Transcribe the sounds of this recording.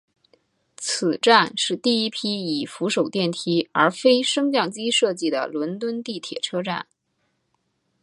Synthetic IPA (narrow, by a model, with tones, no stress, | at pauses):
t͡s̩ʰ˨˩ʈ͡ʂa˥˧nʂɻ̩˥˧t̪i˥˩i˥pʰi˥i˨˩fu˧˥ʂo˨˩ʊt̪jɛ˥˩nt̪ʰi˥ə̰˞˧˥fe˥ɪʂɤ˥ŋt͡ɕjɑ˥˩ŋt͡ɕi˥ʂɤ˥˧t͡ɕi˥˩d̪ə̰˩lwə˧˥nt̪wə˥nt̪i˥˩t̪ʰjɛ̰˨˩ʈ͡ʂʰɤ˥ʈ͡ʂa̰˥˩n